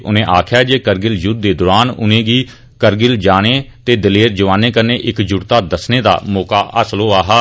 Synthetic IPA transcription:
ʔʊnẽːʔaːkʰjaːd͡ʒeːkəɾɡɪljʊd̪̚d̪eːd̪ʊɾaːnʊ̰nẽːɡiː | kəɾɡɪld͡ʒaːɽ̃eːt̪eːd̪ɪleːɾd͡ʒəʋaːneːkəɾneːʔɪkd͡ʒʊɽt̪aːd̪əsneːd̪a̰ːmɔːka̰ːʔə̰sloːaːɦaː

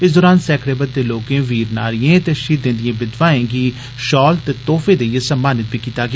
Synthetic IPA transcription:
ɪsd̪ɔːɾaːnsɛːkʰɽeːbət̪̚d̪eːloːkẽːʋiːɾnaːɾɪjẽːt̪eːʃiːt̪d̪ẽːnd̪ɪjẽːbɪd̪ʋãːẽːɡiː | ʃɔːlt̪eːt̪oːfʰeːd̪eijesəmːaːnɪt̪̚biːkiːt̪aːɡɪ

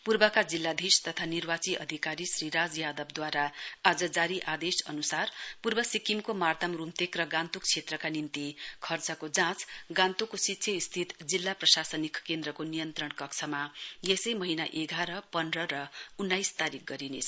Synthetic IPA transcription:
purbʌkad͡zilːad̪ʱist̪ʌt̪ʰanirbat͡siʔʌ̰d̪ʱikaɾisriɾad͡zjad̪ʌbd̪waɾaːd͡zʌd͡zaɾiʔad̪esʌ̰nusarpurbʌsikimkomart̪amrumt̪ekrʌɡãnt̪uk̚t͡sʰet̪rʌkanint̪ikʰʌrt͡sʌkod͡zãt͡sɡãnt̪ukosit̪ːsʰjʌist̪ʰit̪d͡zilːaprʌsasʌnikkend̪rʌkonijʌnt̪rʌɳkʌkt͡sʰʌmajesʌjmʌɦinaʔeɡaɾʌpʌnrʌɾʌunːajst̪aɾik̚ʰɡʌɾinet͡sʰʌ

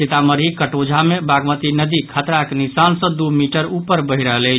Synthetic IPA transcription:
et̪aməɾɦikəʈod͡ʒʱamebaɡmət̪inəd̪ikʰət̪ɾaknisansə̃d̪umiʈəɾupəɾbəɦiɾəɦələɪt͡ʃ

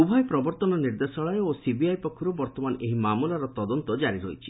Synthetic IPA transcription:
ubʱɔjpɾɔbɔɾt̪ɔnɔniɾd̪esɔɭaɾeosibiajpɔkʰːuɾɔbɔɾt̪ɔmaneɦimamulaɾɔt̪ɔd̪ɔnt̪ɔd͡ʒaɾiɾojt͡ʃʰi̥

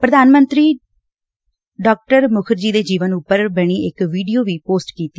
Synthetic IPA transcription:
pɾəd̪aːnmə̃nt̪ɾiː | ɖaːk̚ʈəɾmʊkʰəɾd͡ʒiːd̪eːd͡ʒiːʋənʊpːəɾbəɽ̃iːɪkʋiːɖioːʋiːpoːsʈkiːt̪i

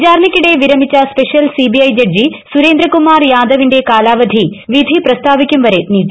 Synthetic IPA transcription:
d͡ʑaːɾɳɐkʲːiɽe̞ʋiɾɐmit͡ɕːɐspeʂijɐlsibiɐjd͡ʑɐɖ̚d͡ʑisuɾeːnd̪ɾɐkumaːrjaːd̪ʱɐʋinde̞kaːlaːʋɐd̪ʱiʋid̪ʱiprɐst̪ʰaːʋikʲːumʋɐɾeniːʈːi

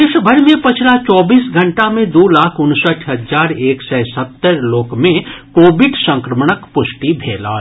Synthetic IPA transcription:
eːʃbʱəɾmẽpɐt͡ʃʰlat͡ʃɔːbiːsɡʱə̃ɳʈamẽd̪oːlaːkʰʊnsəʈʰɦəzaːɾeːksɛsət̪ːəɾloːkmẽkoːbɪɖsə̃ŋkɾəmɽəkpʊsʈibʱeːla̰ː

